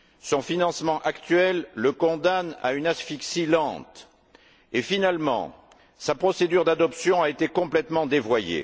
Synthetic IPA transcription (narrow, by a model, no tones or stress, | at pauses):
sɔ̃finɑ̃smɑ̃ʔakt̪ɥɛlːəkɔ̃d̪ana̰ynasfiksilɑ̰̃t̪ | efinalmɑ̰̃ | sapχɔsed̪yʁd̪ad̪ɔpsjɔ̃aet̪ekɔ̃plɛt̪mɑ̃d̪evwajḛ